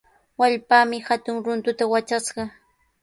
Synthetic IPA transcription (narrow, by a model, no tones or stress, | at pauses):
waʎpaːmɪhat̪ʊŋɾʊnt̪ʊt̪awat͡ʃasɢɑ